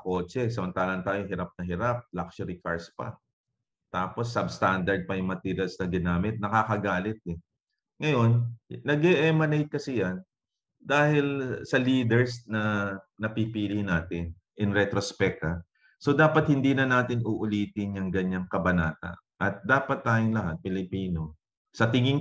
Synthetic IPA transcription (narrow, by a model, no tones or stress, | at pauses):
ɐko̞ːt͡ʃɛsɐmɐnt̪aːlɐʔnt̪aːjohɪɾap̚nɐhɪɾap̚lak̚ʃɐɾikaɹspɐ̰ | t̪aːpo̞sːɐbst̪and̪ɐɹd̪̚pɐjʊŋmɐt̪iːɾjɐlsnɐɡɪnaːmɪt̪̚nɐkaːkɐɡaːlɪt̪̚ɛ | ŋɐjo̞nːɐɡɛʔɛmɐnejt̪̚kɐsɪjɐn | d̪aːhɪlsɐliːd̪ɛɹsnɐ | nɐpipiːlɪnaːt̪ɪn | ʔɪnɾɛt̪ɾospɛk̚ɐ | so̞d̪aːpɐt̪̚hɪnd̪iːnɐnaːt̪ɪnuʔʊliːt̪ɪnjɐŋɡɐɲaŋkɐbɐnaːt̪ɐ̰ | ʔɐt̪̚d̪aːpɐt̪ːaːjoŋlɐɦat̪̚pɪlɪpiːno̞ | sɐt̪ɪŋɪŋ